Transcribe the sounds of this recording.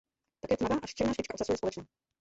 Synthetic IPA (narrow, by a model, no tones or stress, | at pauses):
t̪akjɛt̪mavaːʔaʃt͡ʃɛdnaːʃpɪt͡ʃkaotsasujɛspolɛt͡ʃnaː